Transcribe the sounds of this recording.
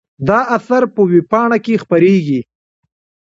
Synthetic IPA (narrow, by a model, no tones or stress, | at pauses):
d̪ɑʔasaɾpəwepɑɳakexpaɾeɡi